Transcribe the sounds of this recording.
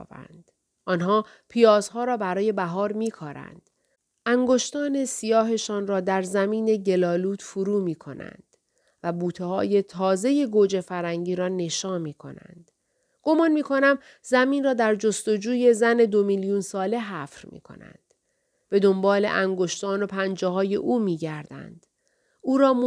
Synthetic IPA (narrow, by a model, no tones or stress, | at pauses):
bæ̰nd̪̥ | ʔɒːnɦɒː | pʰijɒːz̥ɦɒːɾɒːbæɾɒːje̞bæɦɒːɾmiːkʰɒːɾæ̰nd̪̥ | ʔæŋɡo̞ʃt̪ɒːne̞sijɒːɦe̞ʃɒːnrɒːd̪æɾzæmiːne̞ɟe̞lɒːluːt̪fuɾuːmiːkʰo̞̰næ̰nd̪̥ | væbuːt̪ʰehɒːje̞t̪ʰɒːze̞je̞ɡoːd͡ʒe̞fæɾhæŋɟiːɾɒːne̞ʃɒːnmiːkʰo̞̰næ̰nd̪̥ | ɡ̥o̞mɒːnmiːkʰo̞næm | zæmiːnrɒːd̪æɾd͡ʒo̞st̪o̞d͡ʒuːje̞zæne̞d̪o̞miljuːnsɒːle̞ɦæːfɾmḭːkʰo̞̰næ̰nd̪̥ | b̥e̞d̪o̞mbɒːle̞̰ʔæŋɡo̞ʃt̪ɒːno̞pʰænd͡ʒeɦɒːje̞̰ʔuːmiːɟæɾd̪æ̰nd̪̥ | uːɾɒːm